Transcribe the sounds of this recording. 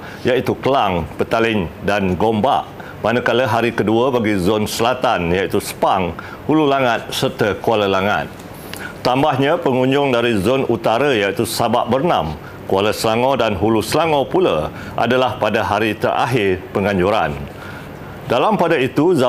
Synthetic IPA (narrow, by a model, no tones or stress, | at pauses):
jait̪ukəlaŋpət̪alɪŋdanɡomba̰ʔ | manəkaləɦaɾikəduabaɡizonsəlat̪anjait̪usə̥paŋ | hululaŋat̪̚sərt̪əkualəlaŋa̰t̪̚ | t̪ambahɲãpəŋũɲd͡ʒʊŋdaɾizonut̪aɾajait̪usabaʔbərnã̰m | kualəsəlaŋodanɦulusəlaŋopulə | ʔa̰dalahpadaɦaɾit̪ərʔa̰ɦɪrpəŋãɲd͡ʒuɾa̰n | dalampadait̪uza